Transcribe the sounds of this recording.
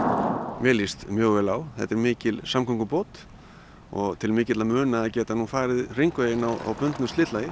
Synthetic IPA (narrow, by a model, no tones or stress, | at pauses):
mɛlist̪mjœːɣvɛlawθɛ̰t̪ːɛɾmɪːcɪlsamkʰɔŋkʏpoːt̪ | ɔ̰ɣt̪ʰɪlmɪːcɪt̪lamʏːnaːcɛːt̪anunfaːjɾɪðr̥iŋkveːjɪnawa̰wpʏnt̪nʏslɪːt̪lajɪ